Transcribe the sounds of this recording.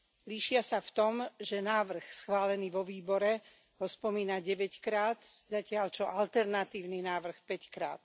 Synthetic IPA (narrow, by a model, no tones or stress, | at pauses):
liʃɪasaft̪ɔmʒɛnaːʋr̩xsxʋaːlɛniːʋɔʋiːbɔɾɛ | ɦɔspɔmiːnaɟɛʋɛckɾaːt̪zacɪalt͡ʃɔʔalt̪ɛɾnat̪iːʊninaːʋr̩xpɛckɾa̰ːt̪